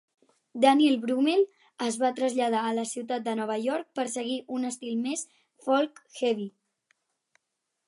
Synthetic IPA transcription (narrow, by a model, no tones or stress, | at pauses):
d̪anilˠβɾumel | əzβat̪ɾəzʎað̞aːləsiwt̪at̪̚d̪ənɔβ̞əjɔɾk̚pəɾsəɣiʔunəst̪ilˠmes | fɔlˠkxɛβi